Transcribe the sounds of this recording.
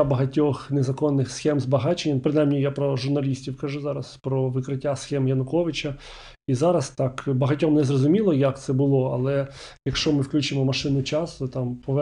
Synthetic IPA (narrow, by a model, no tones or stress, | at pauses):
abɐɦɐtʲɔxnezɐkɔnːɪxsxɛmzbɐɦɑt͡ʃenʲːɐpɾɪnɑjmnʲijapɾɔʒʊrnɐlʲisʲtʲiwkɐʒuzɑɾɐspɾɔʋɪkɾɪtʲːasxɛmjɐnʊkɔʋɪt͡ʃɐ | izɑɾɐst̪ɑkbɐɦɐtʲɔmnɛzrɔzʊmʲilˠɔjɐkt̪sɛbʊlˠɔɐ̰lˠɛjɐkʃt͡ʃɔmɪwklʲut͡ʃɪmɔmɐʃɪnʊt͡ʃɑsʊt̪ɑmpɔʋɛ